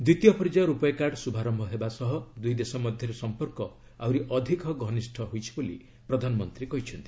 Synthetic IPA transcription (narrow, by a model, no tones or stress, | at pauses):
d̪ɾit̪jɔpʰɔɾd͡ʒaɾupɔjkaɾɖsubʱaɾɔmbʱɔɦebasɔɦɔd̪ujd̪esɔmɔd̪ʱjɔɾesɔmpɔɾkɔ | awɾiʔɔd̪ʱikɔɡʱɔnisʈʰɔɦojt͡ʃʰi̥bolḭ | pɾɔd̪ʱanɔmɔnt̪ɾikɔɦit͡ʃʰɔnt̪i̥